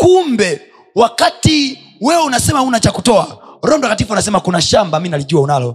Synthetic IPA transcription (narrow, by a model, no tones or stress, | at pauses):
kumbɛ | wakati | wɛunasɛmaunat͡ʃakutɔaɾɔndwakatifuanasɛmakunaʃambaminaliʄuaunalɔ